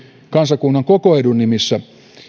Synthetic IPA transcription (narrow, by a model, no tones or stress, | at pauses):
kɑnsɑkunːɑŋkokoedunːimisːæ